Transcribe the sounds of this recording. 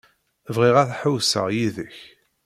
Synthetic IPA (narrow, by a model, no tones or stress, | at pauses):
vʁiʁæθħəwsə̰ʁjiðəç